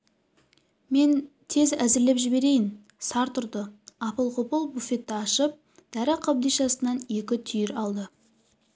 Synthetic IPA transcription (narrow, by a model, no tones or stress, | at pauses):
me̞n | t̪ʰe̞zæzɪɾlepʒɪbe̞ɾe̞jɪn | sɑɾt̪ʰʊɾd̪əɑpəlˠqʊpəlˠbufe̞t̪ːɪɑʃəp̚ | d̪̥æɾɪqʰɑbd̪ijʃɑsənɑne̞kʲɪt̪ʰʏjɪɾɑlˠd̪ə